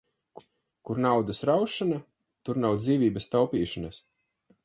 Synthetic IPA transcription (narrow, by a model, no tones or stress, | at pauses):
k | kuɾnawd̪asɾawʃana | t̪uɾnawd̪ziːvʲiːbəst̪awpiːʃanas